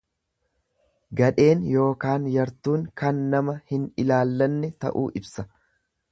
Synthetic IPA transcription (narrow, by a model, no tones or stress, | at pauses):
ɡɐᶑe̞ːnjo̞ːkaːnjɐɾt̪uːŋkɐnːɐmɐhɪnɪlaːlːɐnːɛt̪ɐ̰ʔṵːʔɪbsɐ